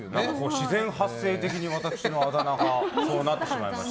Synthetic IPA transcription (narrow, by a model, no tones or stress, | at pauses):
nãŋkako̞ːɕizẽ̞ɰ̃hasːe̞ːt̪e̞kʲiɲ̟iβat̪akɯ̥ɕino̞ad̪anakaso̞ːnat̪ːe̞ɕima̰ima̰ɕt